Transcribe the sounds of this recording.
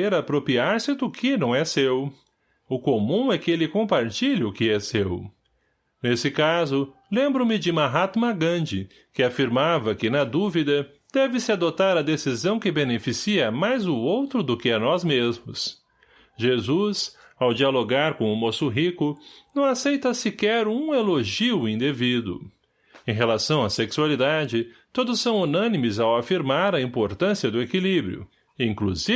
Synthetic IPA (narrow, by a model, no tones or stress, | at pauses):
eɾapɾopiaɾsɪd̪ʊkʰɪnɐ̃w̃ɛsew | ʊkomũɛkɪelɪkõmpaɾt͡ʃiʎɪʊkɪɛsew | nesɪkazʊlẽmbɾʊmɪd͡ʒɪmaɦat̪maɡɐ̃d͡ʒɪ | kɪafiɾmavɐkɪnɐd̪uvid̪ɐ | d̪̥ɛvɪsɪad̪ot̪aɾɐd̪esizɐ̃w̃kɪbenefisiɐmajzʊowt̪ɾʊd̪ʊkɪɐnɔzmezmʊs | ʒezus | awd͡ʒialoɡaɾkõʊmosʊɦikʊnɐ̃w̃asejt̪ɐsikɛɾũeloʒiwĩnd̪evid̪ʊ̰ | ẽj̃ɦelasɐ̃w̃aseksualid̪ad͡ʒɪt̪od̪ʊsːɐ̃w̃unɐ̃nimɪzawafiɾmaɾɐĩmpoɾt̪ɐ̃siɐd̪ʊekilibɾjʊ̰ | iĩŋkluzi